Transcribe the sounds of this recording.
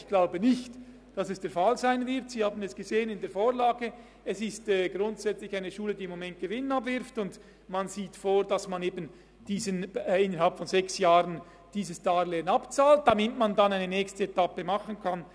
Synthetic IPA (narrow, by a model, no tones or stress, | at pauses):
çɡ̥laʊbənɪçt | d̥ɑsɛsd̥eːɐfɑlzaɪnvɪʁtsiːhaːbn̩ɛsɡ̥əzeːənɪndeːɐfoːʁlaːɡə | ɛsɪstɛːɡʁʊntz̥ɛt͡slɪçaɪnəʃuːlədiːɪmːomɛnt̚ɡ̥əvɪnənɑbvɪɾftʊnd | manziːtfoːɾdɑsmaneːbən̩ | d̥iːzənɪnəɾhalpfɔnzɛksjaːʁən | d̥iːzəsd̥aːɾlɛnɑpt͡saːlt̚d̥amɪtmandanaɪnənɛːçstəetapəmɑχənkʰɑn